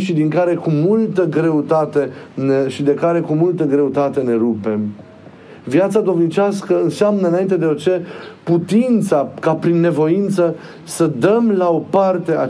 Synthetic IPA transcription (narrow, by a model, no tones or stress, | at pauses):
ʃid̪iŋkaɾe̞kumult̪əɡɾe̞ut̪at̪e̞neʃid̪e̞kaɾe̞kumult̪əɡɾe̞ut̪at̪e̞ne̞ɾupe̞m | vjat̪sad̪o̞mnit͡ʃaskəɨnseamnəɨnaint̪e̞d̪e̞ot͡ʃe̞put̪int̪sakapɾinːe̞vo̞int̪sə | səd̪əmlao̞part̪e̞a